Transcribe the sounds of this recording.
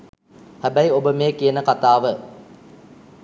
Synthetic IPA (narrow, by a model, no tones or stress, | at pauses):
hæbæjobəmeːkijənəkat̪aːʋə